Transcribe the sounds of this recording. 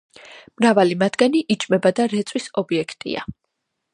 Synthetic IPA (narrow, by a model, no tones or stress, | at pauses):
mɾavalimat̪ʰɡaniʔit͡ʃʼmɛbad̪aɾɛt̪sʼwisɔbiɛkʰt̪ʼḭa̰